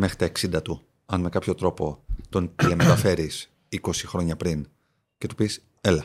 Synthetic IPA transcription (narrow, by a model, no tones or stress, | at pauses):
mexɾit̪ɐeksind̪ɐt̪u | ɐnme̞kɐpço̞t̪ɾo̞po̞t̪o̞nt̪iɐme̞t̪ɐfe̞ɾis | iko̞sixɾo̞ɲɐpɾin | ce̞t̪u̥pis | elɐ